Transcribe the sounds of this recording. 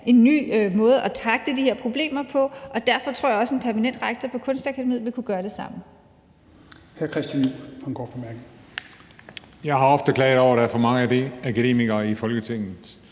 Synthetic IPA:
ʔe̝nːy̰ːmɔ̽ːð̞̩ˠʔæt͡sʰʁɑ̈ɡ̥̚d̥əd̥ihe̝ɐ̰pʰʁo̝b̥le̝̰ːmɐpʰɒ̽ʔɒ̽d̥æɐfɒ̽t͡sʰʁo̝ɐ̰jɑ̈ɒ̽səe̝npʰæɐmænen̰d̥ʁɑ̈ɡ̥̚t͡sʰɐpʰɒ̽kʰɔ̽nsd̥ækʰæd̥emḭð̰̩ˠʋe̝kʰuɡ̥ɶːɐd̥e̝sɑ̈m̰̩ | hæɐkʰʁɛsd̥jænufɑnɡ̥ɔ̰ːpʰɒmæɐɡ̥n̩ | jɑ̈ɪɦɑ̈ɒ̽fd̥əkʰlɛ̰ːðˠɒʊ̰ɐɾ̥ææɐfɒ̽mɑ̈ŋəæd̥e̝ækʰæd̥e̝̰ːmiɡ̥ɐifɒ̽lɡ̥ət͡sʰe̝ŋ̰ð̩ˠ

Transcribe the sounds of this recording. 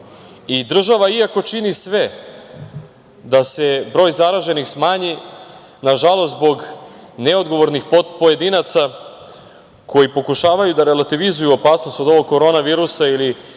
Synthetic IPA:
id̪r̩ʒaʋaiako̞t͡ʃinisʋe | d̪ase̞bɾo̞jzaɾaʒe̞nixsmaːɲi | naʒalˠost̪zbo̞ɡneod̪ɡo̞ʋo̞ɾnixppoje̞d̪inat̪sa | kʰo̞jipo̞kuʃaːʋajud̪aɾelat̪iʋizujuopaːsno̞st̪o̞d̪o̞ʋoɡkːo̞ɾo̞naʋiːɾusaili

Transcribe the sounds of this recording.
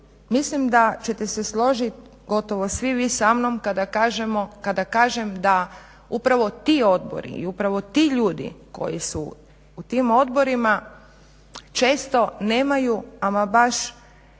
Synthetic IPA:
mislimd̪at͡ɕe̞t̪ese̞slˠo̞ʒit̪ | ɡo̞t̪o̞ʋo̞sʋiʋisamnomkad̪akaʒemokad̪akaːʒemd̪a | upɾaʋo̞t̪iːo̞d̪bo̞̰ɾḭḭupɾaʋo̞t̪iːʎuːd̪ḭko̞̰jisṵ | ut̪imo̞d̪bo̞ɾima | t͡ʃe̞ːst̪o̞neːmajuamabaʃ

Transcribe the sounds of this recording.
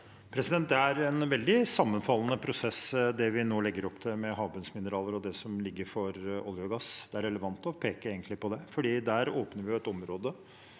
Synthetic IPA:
pʰɾɛsɪd̪ɛnt̪d̪ɛæɾɛnʋɛld̪ɪsɑmːənfɑlːənəpʰɾʊsɛsd̪ɛʋɪnoːlɛɡːəɾɔpːt̪ʰɛmɛɦɑːbʉnsmɪnəɾɑːləɾɔd̪ɛsɔmlɪɡːəɾfɔɾɔljʊɡɑsd̪̥ɛæɾɛləʋɑnt̪ɔpʰeːkəeːɡənt̪lɪpɔd̪ɛfɔɖiːd̪æːɾoːpnəɾʋɪʊɛt̪ɔmɾoːd̪ə

